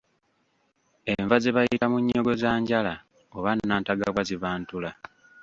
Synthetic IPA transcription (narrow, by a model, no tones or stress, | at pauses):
e̞ɱvazeβajiɾamuɲːo̞ɡo̞zaːɲɟala | oβanːaːntaɡaβwaziβaːntula